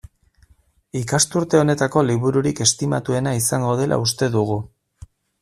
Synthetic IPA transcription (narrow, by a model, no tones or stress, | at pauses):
ikast̪uɾt̪e̞o̞ne̞t̪ako̞liβuɾuɾike̞st̪imat̪ue̞naisaŋɡo̞ð̞e̞lʔa̰ust̪e̞ðuɣ̞u